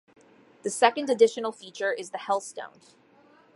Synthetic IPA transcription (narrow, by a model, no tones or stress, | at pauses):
ðɨsɛkɨ̃ndɨdɪʃɨn̩l̩ˠfit͡ʃə˞ʔɪzðɨhɛlˠstõ̰ʊ̃n